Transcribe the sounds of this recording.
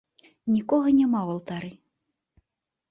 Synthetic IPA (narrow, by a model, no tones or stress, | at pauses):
nʲikɔɣɐnʲɛmawɐlˠt̪aɾɨ